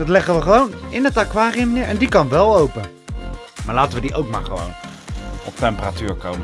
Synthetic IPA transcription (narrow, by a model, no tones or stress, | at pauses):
dɑtlɛχəʋəχəʋownɪnətakʋaːrijəmənɪːɹʔɛ̰ndikɑnʋɛlˠowpə | maːɹlaːtəʋədiʔowk̚ma̰ːɹχəʋo̰wn | ɔp̚tɛmpəratyːɹkowm